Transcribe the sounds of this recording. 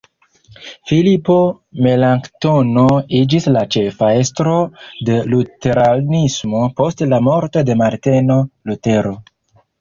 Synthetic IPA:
filipo̞ | me̞laŋktono̞id͡ʒislat͡ʃe̞fae̞stɾo̞de̞lute̞ɾanismo̞po̞stlamo̞ɾto̞de̞maɾteno̞lute̞ɾo̞

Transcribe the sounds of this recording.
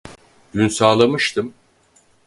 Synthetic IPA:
ɟ̪̥ynsaːlˠamɯʃt̪ʰɯm

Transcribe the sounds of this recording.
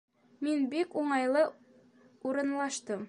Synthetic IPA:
minbikuɴɑjlˠɤ | uɾɤ̆nlˠɑʃt̪ɤm

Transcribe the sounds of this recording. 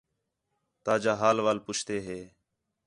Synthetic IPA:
t̪aːd͡ʒaːɦaːlʋaːlpʊt͡ʃʰt̪eːɦeː

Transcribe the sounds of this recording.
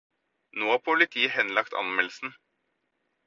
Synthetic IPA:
noːɑpʰʊlɪt̪ʰiːəhɛnlɑkt̪ʰɑ̰nmɛlsn̩

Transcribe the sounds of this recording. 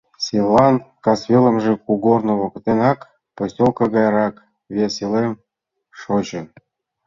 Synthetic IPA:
sʲilːɑnkɑsβʲelə̆mʒĕkuɡornŏβŏkt̪enɑk | posʲtʲolkɤ̆ɣɑjɾɑk | βʲeselem | ʃot͡ɕɤ̆

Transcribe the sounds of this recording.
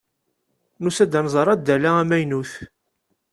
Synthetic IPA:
nusæd̪ænzˤɑɾˤɑd̪ːælææmæjnuθ

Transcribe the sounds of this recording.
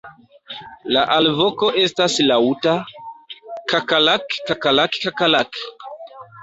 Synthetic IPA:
laʔalvo̞ko̞ʔe̞staslauta | kakalakkakalakkakalak

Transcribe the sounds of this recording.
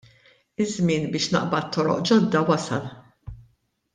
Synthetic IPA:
ɪzmɪːnbɪːʃnɐ̰ʔbɐt̪ːɔɾɔ̰ʔd͡ʒɔd̪ːɐwɐsɐ̰l

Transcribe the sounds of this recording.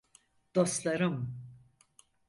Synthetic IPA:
d̪̥oslˠaɾɯm

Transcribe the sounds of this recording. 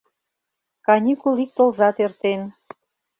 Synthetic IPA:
kɑnʲikulik̚t̪ŏlzɑt̪ørt̪en

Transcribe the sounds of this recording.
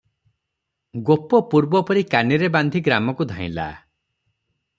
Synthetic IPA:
ɡopɔpuɾbɔpɔɾikaniɾeband̪ʱiɡɾamɔkud̪ʱãḭ̃la̰

